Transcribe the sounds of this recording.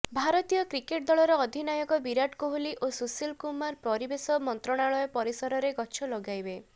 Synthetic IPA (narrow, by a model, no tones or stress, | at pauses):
bʱaɾɔt̪ijɔkɾikeʈ̚d̪ɔɭɔɾɔɔd̪ʱinajɔɡɔbiɾaʈkoɦuliʔosusilkumaɾpɾɔɾibesɔmɔnt̪ɾɔɽ̃aɭɔjɔpɔɾisɔɾɔɾeɡɔt͡ʃʰɔlɔɡajbe